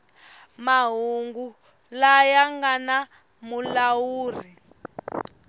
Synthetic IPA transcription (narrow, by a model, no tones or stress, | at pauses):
maɦuŋɡu | lajaŋɡana | mulawuːr̤i